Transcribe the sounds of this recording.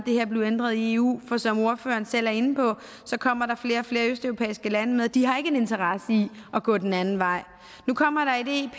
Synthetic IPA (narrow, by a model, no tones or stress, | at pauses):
d̥e̝he̝ɐ̰b̥le̝ʊend̥ʁɐð̞ˠie̝ːṵːfɒ̽sɒ̽mo̝ɐfø̰ːɐn̩sel̰æɐe̝nn̩pʰɒ̽ | sɒ̽kʰɒ̽m̰ɐɾɑ̈fle̝ːɐɒ̽fle̝ːɐøsd̥œʊʁopʰḛːisɡ̥əlænəmeð̞̩ˠd̥iɦɑ̈e̝ɡ̥əene̝nt͡sʰɐʁɑ̈səiɒ̽ɡ̥ɔ̰̽ːd̥en̩ænn̩ʋɑ̈ɪ̰ | nukʰɒ̽m̰ɐɾ̥ɑ̈ide̝̰ːpʰ